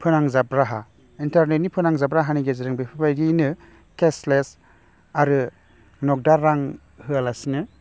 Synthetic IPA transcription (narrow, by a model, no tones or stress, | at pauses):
pʰɯnaŋzabɾaɦa | intaɾnet̚nipʰɯnaŋzabɾaɦaniɡeziɾɯŋbepʰibajɡinɯ | kesles | aɾɯ | nɔk̚daɾːaŋ | hɯalasinɯ